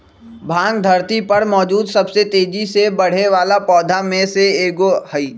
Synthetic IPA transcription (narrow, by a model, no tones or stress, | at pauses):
bʱãːŋɡ̚d̪ʱɐɾt̪ipɐɾmɔːd͡ʒuːd̪sɐbset̪eːd͡ʒisebɐɽ̤eʋaːlapɔːd̪ʱamẽseeːɡohɐiː